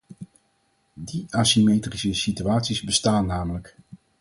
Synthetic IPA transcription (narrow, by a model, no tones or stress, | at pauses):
diaːsimeːtrisəsityaːtsizbəstaːnːaːmələk